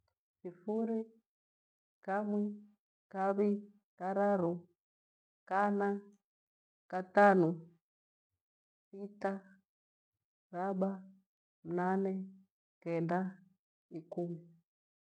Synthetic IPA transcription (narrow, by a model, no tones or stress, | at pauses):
sifuɾi | kamwɛ | kaβi | kaɾaɾu | kana | katanu | sita | ɾaɓa | m̩nanɛ | kɛnda | ikumi